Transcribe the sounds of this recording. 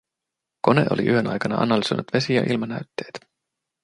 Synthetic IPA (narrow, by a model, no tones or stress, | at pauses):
ko̞ne̞̰ʔoliʔyɦønɑ̰jkɑnɑɑ̰nɑlyso̞jnut̪ʋe̞sijɑ̰ʔilmɑnæɥt̪ːeːt̪